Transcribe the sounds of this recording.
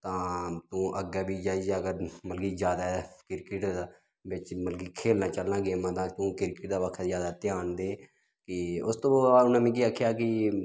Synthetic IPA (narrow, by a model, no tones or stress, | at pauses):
t̪ãːt̪ũːʔəɡɛːbiːd͡ʒaːid͡ʒeəɡəɾməlkiːzjaːd̪aːkɪɾkɪʈd̪aː | bɪt͡ʃməlɡiːkʰeːlnaːt͡ʃəlnãːɡeːmãt̪ãːt̪ũːkɪɾkɪʈ̚d̪aːʋəkʰɛzjaːd̪aːt̪ɪjaːnd̪eː | kɪʊst̪õːbaːʊnãːmĩːk̬iːakʰːjaːkɪ